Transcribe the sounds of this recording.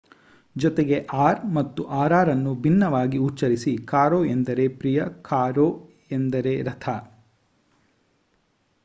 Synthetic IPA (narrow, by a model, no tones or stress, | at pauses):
d͡ʒɔt̪eɡe̞ʔaːɾmɐt̪ːuʔaːɾaːɾɐnːubʱinːɐʋaːɡiut͡ʃːɐɾisikaːɾoːend̪ɐɾe̞pɾijɐkaːɾoː | end̪ɐɾe̞ɾɐt̪ʰɐ